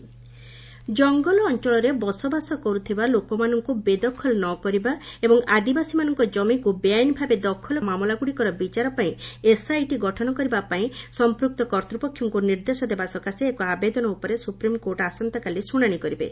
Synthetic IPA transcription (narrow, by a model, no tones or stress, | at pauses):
d͡ʒɔŋɡɔlɔːnt͡ʃɔɭɔɾebɔsɔbasɔkɔɾut̪ʰibalokɔmanɔŋkubed̪ɔkʰɔlɔnɔkɔɾibaebɔŋad̪ibasimanɔŋkɔd͡ʒɔmikubeajnbʱabed̪ɔkʰɔlɔmamɔlaɡuɽikɔɾɔbit͡ʃaɾɔpaĩesajʈiɡɔʈʰɔñɔkɔɾibapaĩsɔmpɾuk̚t̪ɔkɔɾt̪ɾupɔkʰjɔŋkuniɾd̪esɔd̪ebasɔkaseːkɔabed̪ɔnɔupɔɾesupɾimkoɾʈasɔnt̪ɔkalisuɽ̃aɽ̃ikɔɾibḛ